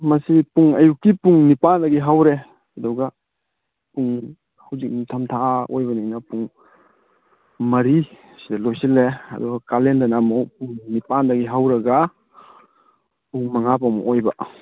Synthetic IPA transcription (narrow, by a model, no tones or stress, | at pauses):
mɐsipuŋɐjukːipuŋnipandɐɡiɦawɾe | ɐdɔɡa | puŋ | hawzik̚nitʰɐmtʰaːʔojbɐniŋnɐpuŋ | mɐɾi | sidɐlojsilːeɐ̰dɔɡɐkalendɐnamowpuŋnipandɐɡiɦawɾɐɡa | puŋmɐŋapamɔʔojba